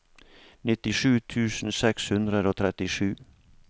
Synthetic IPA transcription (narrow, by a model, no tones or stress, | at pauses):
nɪt̪ɪʂʉːt̪ʰʉːsn̩sɛkshʉnd̪ɾəd̪oːt̪ʰɾɛt̪ɪʂʉː